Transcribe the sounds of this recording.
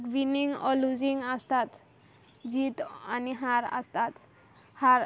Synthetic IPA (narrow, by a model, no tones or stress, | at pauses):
ʈʋiniŋɔlud͡ʒiŋast̪at̪ | d͡ʒit̪aniɦaɾa̰st̪at̪ | haɾ